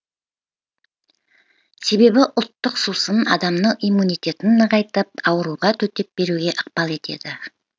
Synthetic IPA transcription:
se̞be̞bɪʔʊlˠt̪ːəqsusənɑ̰d̪ɑmnəɴijmunijt̪ʲe̞t̪ɪnːəʁɑjt̪əp̚ɑwəɾuʁɑt̪ʰɵt̪e̞p̚be̞ɾuɡʲe̞ʔəq̚pɑlˠe̞t̪e̞̰d̪ɪ

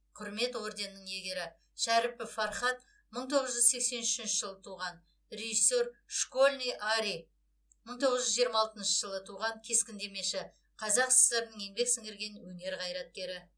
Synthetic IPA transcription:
qʰʊɾme̞t̪wo̞ɾd̪e̞nːəɴje̞ɡʲe̞ɾɪ | ʃæɾɪpːɪfɑɾχɑt̪ | məɴt̪ʰo̞ʁəzʒʏzse̞kse̞nʏʃɪnʃɪʒəlˠət̪ʰuʁɑn | ɾʲe̞ʒisːe̞ɾʃko̞lʲnijʔaɾi | məɴt̪ʰo̞ʁəzʒʏzʒijəɾmɑːlˠt̪ənʃəʒəlˠət̪ʰuʁɑŋkʲʰe̞skʲɪnd̪e̞me̞ʃɪ | qʰɑzɑqsə̥seɾənəŋje̞mbe̞ksɪŋɡʲɪɾɡʲe̞nwɵŋe̞ɾqʰɑjɾɑt̪̚kʲe̞ɾɪ

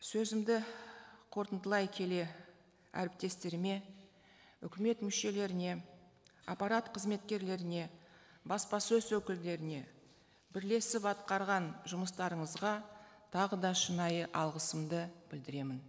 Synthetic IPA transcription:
sɵzɪmd̪ɪqʰo̞ɾt̪ənd̪əlˠɑjkʲʰe̞le̞ | æ̰ɾɪp̚t̪e̞st̪e̞ɾɪme̞ | ʏkʲɪme̞t̪mʏʃe̞le̞ɾɪne̞ | apɑɾat̪qʰəzme̞t̪kʲe̞ɾle̞ɾɪne̞ | bɑspɑsɵzwɵkʲɪld̪e̞ɾɪne̞ | bɪɾle̞sɪpɑt̪qɑɾʁɑnʒʊməst̪ɑɾəɴəzʁɑt̪ʰɑʁəd̪ɑʃənɑjəʔɑlˠʁəsəmd̪əbɪld̪ɪɾe̞mɪn

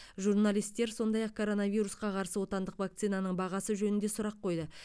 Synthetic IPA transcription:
ʒurnalijst̪ːe̞ɾso̞nd̪ɑjɑq̚kʰo̞ɾo̞navijɾusqɑqʰɑɾsəwo̞t̪ɑnd̪əqvak̚t̪sijnɑnəɴbɑʁɑsəʒɵnɪnd̪e̞sʊɾɑqʰːo̞jd̪ə

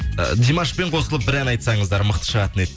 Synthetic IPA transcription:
d̪ijmɑʃpe̞ɴqʰo̞səlˠəp̚bɪɾænɑjt̪sɑɴəzd̪ɑɾməq̚t̪ə̥ʃəʁɑt̪ənet̪̚

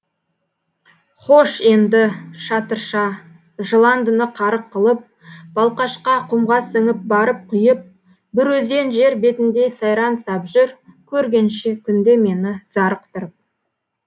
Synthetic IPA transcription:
χoʃe̞nd̪ɪʃɑt̪əɾʃɑ | ʒəlˠɑnd̪ənəqʰɑɾəqʰːəlˠəp̚ | b̥ɑlˠqɑʃqɑqʰʊmʁɑsəŋɪp̚bɑɾəp̚qʰʊjəp̚ | bɪɾwɵze̞nʒe̞ɾbe̞t̪ɪnd̪e̞sɑjɾɑnsɑpʒʏɾkʲʰɵɾɡʲe̞nʃɪkʲʰʏnd̪e̞me̞nɪzɑɾəq̚t̪əɾəp̚

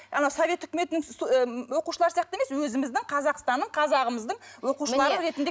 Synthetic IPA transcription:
ɑnɑwsove̞t̪ʏkʲɪme̞t̪ɪnɪŋwo̞quʃəlˠɑɾsijɑq̚t̪əemeswɵzɪmɪzd̪ɪŋqʰɑzɑqst̪ɑnːəɴqʰɑzɑʁəməzd̪əɴwo̞quʃəlˠɑɾəɾe̞t̪ɪnd̪e

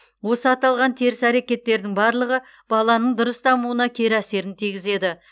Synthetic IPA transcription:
wo̞səɑt̪ɑlˠʁɑnt̪ʰeɾɪsæɾekʲe̞t̪ːe̞ɾd̪ɪŋbɑɾlˠəʁə | b̥ɑlˠɑnəɴd̪ʊɾəst̪ʰɑmuənɑkʲʰe̞ɾæse̞ɾɪnt̪ʰijɡʲɪze̞d̪ɪ

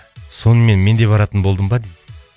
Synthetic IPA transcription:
so̞nəme̞nme̞nd̪e̞bɑɾɑt̪ənbo̞lˠd̪əmbɑd̪ed̪ɪ

